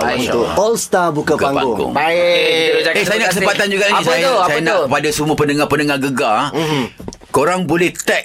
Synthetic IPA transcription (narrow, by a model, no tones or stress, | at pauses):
ɔlst̪abukakaŋpɡɡʊ̰ŋa | aesajanakkəsəpat̪and͡ʒuɡalanĩsajsajanaʔkəpadasuməpəndəŋãhpəndəŋahɡəɡa | koɾaŋbolɛht̪ɛk